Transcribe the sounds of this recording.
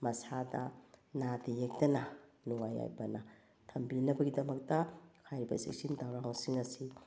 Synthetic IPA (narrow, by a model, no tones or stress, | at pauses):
mɐsadɐ̰nadejek̚tɐnɐ | nuŋaja̰jbɐnɐ | tʰɐmbinɐbɐɡidɐmɐk̚tɐkʰajɾibɐ̰sḭk̚sindawɾaŋsiŋɐsi